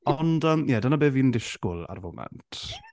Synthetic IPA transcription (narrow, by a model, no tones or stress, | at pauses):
ɔndəmjɛdənabeːviːndɪʃkʊlˠa̰rvʊmɛ̰ntʰ